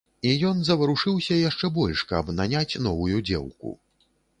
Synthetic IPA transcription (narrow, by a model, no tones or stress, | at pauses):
ijɔnzɐvɐɾuʂɨwsʲɐjaʂt͡ʂɛbɔlʲʂkɐbnanʲat͡sʲn̪ɔvujud͡zʲɛ̰wkṵ